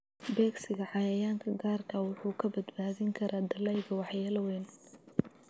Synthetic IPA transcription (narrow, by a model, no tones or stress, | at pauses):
bɛːɡsɪɣɐʕɑjɐjaːŋkʰɐɡaːrkʰɐwʊħuːkʰɐbɐd̪baːðɪŋkʰɐɾʔaːd̪ɐlɛjɣɐwɑħjaːlɐwɛːn